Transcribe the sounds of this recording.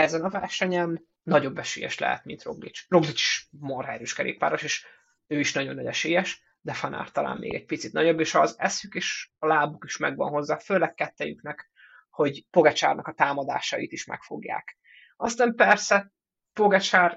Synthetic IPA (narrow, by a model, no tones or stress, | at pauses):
ɛzɛnɒvɛrʃɛɲɛn | nɒɟo̞bːɛʃḛːjɛ̰ʃlɛ̰ɦɛ̰t̪mint̪ro̞ɡlḭt͡ʃroɡlit͡ʃi̥ʃmorɛɾøʃkɛlḛːppa̰ːɾo̞ʃeːʃ | øːiʃnɒɟo̞nːɒɟɛʃeːjɛʃ | d̪ɛfɒna̰ːrt̪ɒla̰ːmːeːɡɛc̚pit̪sit̪nɒɟo̞bːeːʃɒzɛsykeːʃɒlaːbukiʃmɛɡʋɒ̰nɦo̞zːaːføːlɛkːɛt̪ːɛjyknɛk | ho̞ɟpo̞ɡɛt͡ʃa̰ːrnɒkɒt̪aːmɒd̪a̰ːʃɒḭt̪iʃmɛ̰kfo̞̰ɡja̰ːk | ɒst̪aːmpɛrsɛ | poɡɛt͡ʃaːr